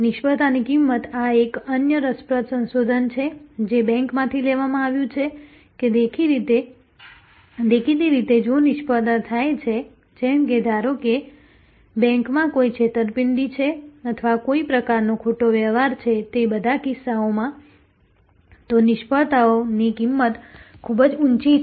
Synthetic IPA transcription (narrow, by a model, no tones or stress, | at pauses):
nɪʃpət̪anikimːət̪aekənjəɾəspɾət̪sə̃nsod̪ʱənt͡ʃʰed͡ʒebɛ̃ŋkmãt̪ʰileʋamãaʋjũt͡ʃʰe | ked̪ekʰiɾit̪e | d̪ekʰid̪iɾit̪ed͡ʒonɪʃpət̪at̪ʰajt͡ʃʰe | d͡ʒɛmked̪ʱaɾoke | bɛ̃ŋkmãkoit͡ʃʰet̪əɾpɪɳɖ̪it͡ʃʰeət̪ʰəʋakoipɾəkaɾnokʰoʈoʋjəʋaɾt͡ʃʰet̪ebəd̪ʱakɪsːaomã | t̪onɪʃpəɭt̪aonikimːət̪kʰubəd͡ʒunt͡ʃi